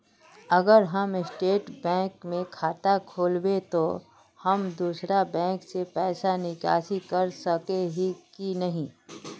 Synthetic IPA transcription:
ɐɡəɾɦɐmɪsʈeːʈbɛ̃ːkmẽkʰaːt̪akʰoːlbet̪o | hɐmd̪uːsɾabɛ̃ːŋksepɛːsanɪka̰ːsikɐɾsɐkeɦikinɐɦĩː

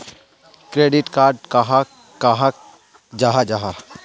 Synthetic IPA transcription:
kɾeːɖɪʈkaːɾɖkaɦa | kaɦa | d͡ʒaɦad͡ʒaɦa

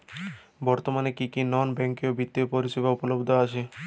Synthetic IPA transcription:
bɔɾt̪omanekikinɔnbɛŋkiobit̪ːiopoɾiʃebaupolobd̪ʱoaʃʰe

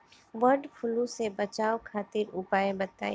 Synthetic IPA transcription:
ʋɐɾɖpʰʊlũsebɐt͡ʃaːokʰaːt̪ɪɾʊpaːebɐt̪a̰ːi

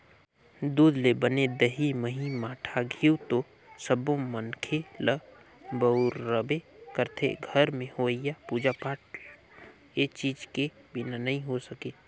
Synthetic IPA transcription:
d̪uːd̪lebəned̪əɦiməɦimaːʈʰaɡʱiwt̪o | səbõmənkʰelə | bəʊɾːəbekəɾt̪ʰḛɡʱəɾmẽhoijapuːd͡ʒapaːʈ̚ | et͡ʃiːd͡ʒke | bɪnanəɦĩɦosəkeː

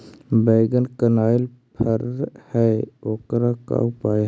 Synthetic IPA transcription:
bəːɡənkənaːɪl | pʰəɾhɛoːkɾaka̰upaː

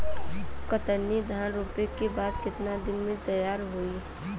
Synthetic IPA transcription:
kət̪ənːid̪ʱaːnɾuːpekebaːd̪kɪt̪nad̪ɪnmẽt̪əjaːɾɦui

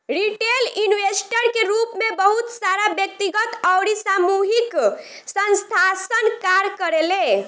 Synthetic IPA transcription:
ɾiʈelinʋesʈəɾkeɾupmebəɦut̪saɾabjək̚t̪iɡət̪əwɾisamuɦik | sə̃nst̪ʰasənkaɾkəɾele

